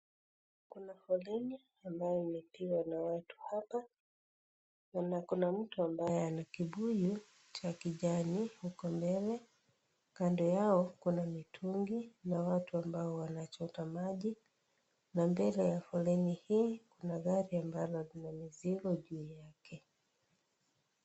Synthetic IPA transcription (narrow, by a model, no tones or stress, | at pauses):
kunafɔlɛni | ambajɔimɛpiwanawatu̥hapa | nakunam̩tuambajɛanakiɓuju | t͡ʃakiʄanihukɔmbɛlɛ | kandɔjaɔkunamitʰuŋɡinawatuambaɔwanat͡ʃɔtamaʄi | nambɛlɛjafɔlɛnihiːkunaɣaɾiambalɔlinamiziɾɔʄuːjakʰɛ